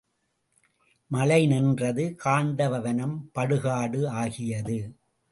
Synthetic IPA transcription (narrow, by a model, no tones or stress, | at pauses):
mɐlɐɪnɛndrɐðɯkaːɳd̪ɐʋɐʋɐnɐmpɐɽɯɣaːɽɯaːɣɪjɐðɯ